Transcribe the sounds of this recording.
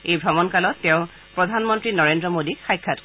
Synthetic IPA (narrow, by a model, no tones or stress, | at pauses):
ejbʱɹɔmɔnkalɔtːɛʊ̃ | pɹɔdʱanmɔntɹinɔɹendɹɔmodixajkʰːatk